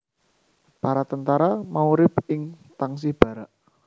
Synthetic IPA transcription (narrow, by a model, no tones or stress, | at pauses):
paɾat̪ənt̪aɾamauɾɪpɪŋt̪aŋs̬ib̥a̤ɾaʔ